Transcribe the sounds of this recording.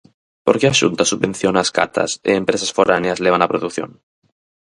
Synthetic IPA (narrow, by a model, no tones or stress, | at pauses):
po̞ɾkeaʃṵnt̪asuβbẽ̞n̟θjonaska̰t̪ʰa̰sḛːmpɾesasfoɾʔaneazleβ̞anapɾoðukθjo̰n